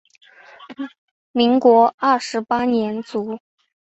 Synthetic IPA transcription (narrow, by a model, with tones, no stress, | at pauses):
mi˧˥ŋkwɔ˧˥ɐ˥˩ʂɻ̩˧˥pa˥njɛ˧˥nt͡su˧˥